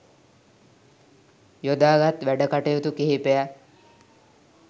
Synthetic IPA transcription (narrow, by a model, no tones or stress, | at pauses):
jod̪aːɡat̪ʋæɖəkaʈejot̪ukeɦipejæ